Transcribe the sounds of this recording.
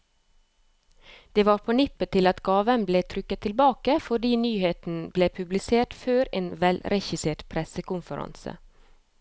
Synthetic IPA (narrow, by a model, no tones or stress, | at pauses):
d̪̥eːʋɑːɾpʰoːnɪpət̪ʰɪlɑt̪ɡɑːʋənbleːt̪ʰɾʏkət̪ʰɪlbɑːkəfɔɖiːnyːheːt̪n̩bleːpʰʉblɪseːʈføːɾeːnʋɛlɾɛçɪseːʈpʰɾɛsəkʊnfəɾɑ̰nsə̰